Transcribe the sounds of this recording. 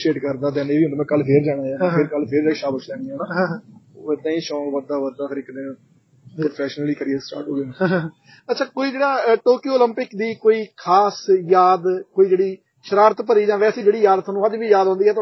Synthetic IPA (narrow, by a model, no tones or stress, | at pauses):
ʃeːʈkəɾd̪aːt̪eəneːʋiːɦʊnd̪ːmɛ̃ːkəlpʰɪɾd͡ʒaːɽ̃ãːjaːɪɾkəlpʰɪɾd͡ʒeːɽʃaːbət͡ʃʰlãːniãːnaːoɪt̪ːãːĩːʃɔ̃ːʋəd̪aːʋəd̪aːpʰɪɾɪkd̪en | ɾəpʰɛːʃnəliːkəɾijəɾsʈa̰ːʈoːɡe | ətːʃʰaːkoːiːd͡ʒeːɽaːʈoːkijooːlə̃mpɪkd̪iːkoːiːkʰaːsjaːd̪koːiːd͡ʒeːɽiː | ʃəɾaːɾət̪pəɾiːd͡ʒãːʋɛːseːd͡ʒeːɽiːjaːd̪t̪ʰːaːnũːəd̪ʋiːjaːd̪õːnd̪iːɛːt̪